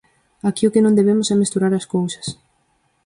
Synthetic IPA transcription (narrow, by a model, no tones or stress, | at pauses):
akiokɪnõnd̪eβ̞emʊsamest̪uɾaɾaskowsɐ̥s